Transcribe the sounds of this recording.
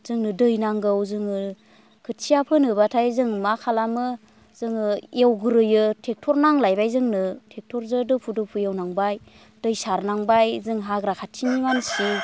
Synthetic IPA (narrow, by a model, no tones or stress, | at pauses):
z̥ɯŋnɯdɯjnaŋɡɯwzɯŋɯ | kʰɯtsʰijapʰɯnɯbatʰajzɯŋmakʰalamɯ | zɯŋɯjewɡɯɾɯjɯtʰek̚tʰɔɾnaŋlajbajzɯŋnɯtʰek̚tʰɔɾzɯdɯpʰudɯpʰujawnaŋbaj | d̥ɯjsaɾnaŋbajzɯŋɦaɡɾakʰatʰiniŋansi